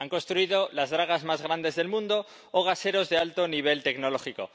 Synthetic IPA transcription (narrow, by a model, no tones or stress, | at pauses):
aŋko̞nst̪ɾuiðo̞lazðɾaɣ̞azmazɣ̞ɾand̪e̞zðe̞lmũnd̪oː | ɣ̞ase̞ɾo̞zðe̞alt̪oniβ̞e̞lt̪e̞kno̞lo̞xiko̞̰